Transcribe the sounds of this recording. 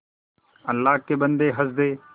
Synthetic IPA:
əlːaːɦkeːbənd̪eːɦəzd̪eː

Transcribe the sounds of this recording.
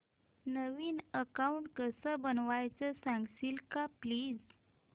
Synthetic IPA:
nəʋiːnəkauɳʈkəsəbənʋajt͡səsãŋɡsilkapliːd͡z

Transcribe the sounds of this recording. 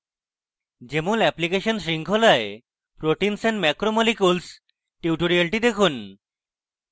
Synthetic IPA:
d͡ʑemolɛplikeʃonsɾiŋkʰolae | pɾoʈinsɛɳmɛkɾomolikuls | ʈiuʈoɾialʈid̪ekʰun

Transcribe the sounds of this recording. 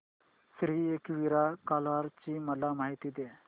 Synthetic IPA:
sɾiːekʋiɾakalʋaɾt͡ɕiːməlamaɦit̪iːd̪e

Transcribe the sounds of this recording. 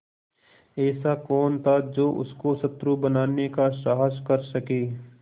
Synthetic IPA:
ɛːsakɔːnt̪ʰad͡ʒoːʔʊ̰skosɐt̪ɾubɐnaːnekaʃaːɦəskɐɾsɐkeː

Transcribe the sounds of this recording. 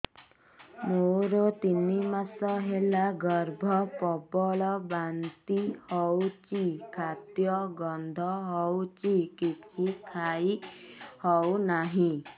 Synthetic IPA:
moɾot̪inimasɔɦelaɡɔɾbʱɔpɔbɔlɔbant̪ihɔwt͡ʃikʰat̪jɔɡɔnd̪ʱɔɦɔwt͡ʃikikʰikʰajhɔwnaɦĩ

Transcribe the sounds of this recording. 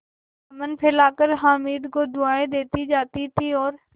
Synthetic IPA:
mənpʰɪlaːkəɾɦaːmiːd̪kod̪ʊaːẽd̪eːt̪id͡ʒaːt̪it̪ʰiɔːɾ

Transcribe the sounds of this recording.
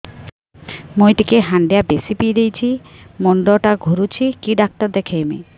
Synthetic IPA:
mojʈikeɦaɳɖejabesipijd̪ejt͡ɕʰimoɳɖoʈaɡʱoɾut͡ɕʰikiɖak̚ʈɔɾd̪ekʰejmḭ

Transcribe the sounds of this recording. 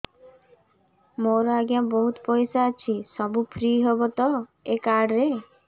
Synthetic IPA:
moɾɔaɡjabɔɦut̪ɔpɔjsaːt͡ʃʰisɔbupʰɾiːɦebɔt̪ɔekaɖɾe

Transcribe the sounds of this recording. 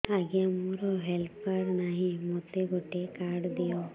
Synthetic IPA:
aɡijɐmuɾoɦelpkaːɖnaːɦimɔt̪ːeɡɔʈːekaːɽd̪ijo

